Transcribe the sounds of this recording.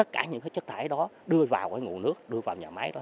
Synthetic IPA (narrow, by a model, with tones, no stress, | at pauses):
t̪ə˦˥t̚kaː˧˩ɲɨ̰˧˥ŋkaː˨˦jt͡ɕə˦˥k̚t̪ʰaː˧˩˦jɗɔ˨˦ɗɨ˧əvaː˨˩wkaː˧˩jŋṵ˧˩˨nɨ˦˥ək̚ɗɨ˧əvaː˨˩wɲaː˨˩ma˨˦jɗɔ˨˦